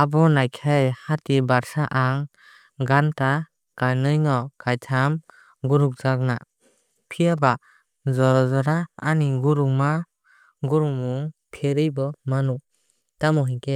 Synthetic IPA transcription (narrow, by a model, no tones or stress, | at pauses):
abɔnajkʰajhatibaɾsaʔaŋ | ɡanta | kajnɯjnɔkajtʰam | ɡuɾuk̚z̥ak̚na | pʰijaba | zɔɾɔzɔɾaːniɡuɾuŋma | ɡuɾumuŋpʰeɾɯjbɔmanu | tamɔɦake